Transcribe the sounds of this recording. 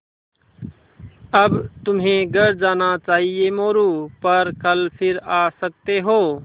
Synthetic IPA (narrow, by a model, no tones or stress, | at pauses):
əbt̪ʊmɦẽɡəɾd͡ʒaːnat͡ʃaːɦiemoːɾupəɾkəlpʰɪɾaːsək̚t̪eɦoː